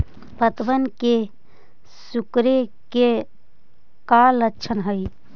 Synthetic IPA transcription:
pət̪ʋənke | sukɾeke | kalətːʃʰənɦəi

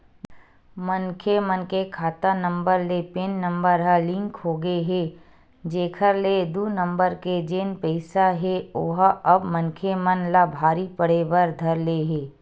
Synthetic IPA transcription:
mənkʰemənkekʰaːt̪anə̃mbəɾlepeːnːə̃mbəɾɦəlɪ̃ŋkɦoːɡəeɦeː | d͡ʒeːkʰəɾled̪uːnə̃mbəɾked͡ʒeːnpɛɪsaɦeoɦɐbmənkʰemənlabʱaːɾipəɽ̤ebəɾd̪ʱɐɾleɦeː

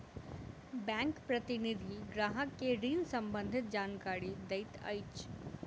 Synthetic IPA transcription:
bɛ̃ːŋkpɾɐt̪ɪnid̪ʱiɡɾaːɦəkːeɾiːnsɐ̃mbə̃nd̪ʱɪt̪̚d͡ʒaːnkaːɾid̪ɐɪt̪ɐ̰jt͡ʃ

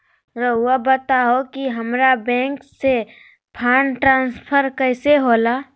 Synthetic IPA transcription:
ɾəɦuabət̪aɦokiɦəmɾabɛ̃ːŋkse | pʰaːnʈɾãːnspʰəɾkəɪseɦola

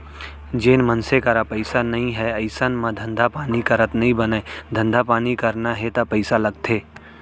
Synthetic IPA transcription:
d͡ʒeːnmənsekaɾapəɪsanɐɦĩɦɛɐɪsənmãd̪ʱə̃nd̪ʱapaːnikɐɾət̪nɐɦĩbənaed̪ʱə̃nd̪ʱapaːnikɐɾnaɦɛt̪apəɪsalɐɡt̪ʰeː

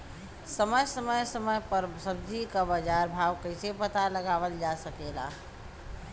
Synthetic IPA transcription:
səməjsəməjsəməjpəɾsəbd͡ʒikabəd͡ʒaɾbʱaʋkəɪsepət̪aləɡaʋəld͡ʒasəkela̰

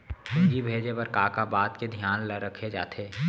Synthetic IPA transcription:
ʊd͡ʒibʱeːd͡ʒepəɾkaːkabaːt̪ked̪ʱjaːnləɾəkʰed͡ʒa̰ːt̪ʰeː

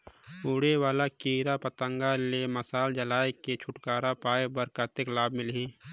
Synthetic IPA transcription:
uːɽewaːlakiːɾapət̪ə̃ŋɡaleməsaːld͡ʒəlaːeket͡ʃʰʊʈkaːɾapaːebəɾkat̪ɪklaːb̚mɪlɦiː

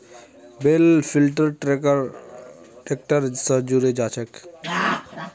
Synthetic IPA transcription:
belpʰilʈəɾʈɾekəɾ | ek̚ʈəɾsəd͡ʒuɾed͡ʒat͡ʃʰɛk

